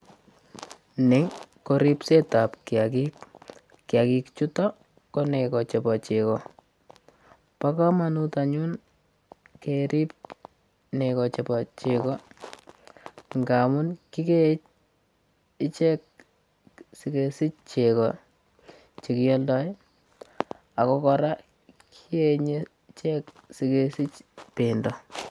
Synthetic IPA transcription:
nɪŋkoɾipsetapkiakik | kjakikt͡ʃutɔ | kɔnekɔt͡ʃɛpɔt͡ʃekɔ | pakɔmanutaɲun | keɾip̚ | nekɔt͡ʃɛpɔt͡ʃekɔ | ŋɡamunkiket͡ʃ | ɪt͡ʃɛk̚ | sikesit͡ʃt͡ʃekɔ | t͡ʃekijɔldɔj | akɔkɔɾa | kʰieɲe | t͡ʃɛksikesit͡ʃpendɔ

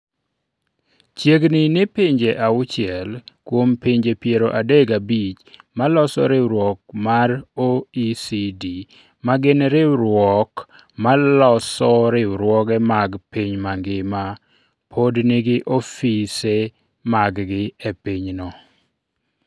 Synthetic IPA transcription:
t͡ʃjeɡnɪnɪpiɲd͡ʒeʔaʊt͡ʃɪɛlkwompiɲd͡ʒepjeɾoʔadeɡabit͡ʃmalɔsɔ̰ɾɪɾwɔk̚maroisidi | maɡɪnɾɪɾwɔk | malɔsɔɾɪʊɾwɔkɛmaɡpiɲmaŋɡɪma | pʰodnɪɡɪʔofise | maɡɡɪepiɲnɔ

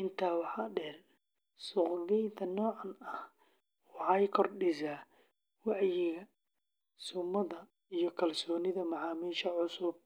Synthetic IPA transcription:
ʔɪnt̪ʰaːwɑħɑːɖɛːr | sʊqbɪjt̪ʰɐnɔːʕɑnɐh | wɑħɑjkʰɔrɖɪsaː | wɑʕjɪɣɐ | sʊmːɐðɐ | ijɞkʰɐlsɔːnɪðɐmɑʕɑːmiːʃɐʕʊsʊb̚

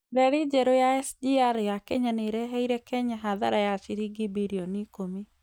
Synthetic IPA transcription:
dɛɾɪd͡ʒeɾojaɛsdiaɾjakeɲaneɾeɦeiɾekɛɲaɦaða̰ɾajat͡ʃɪɾiɡɪbiɾionikomi

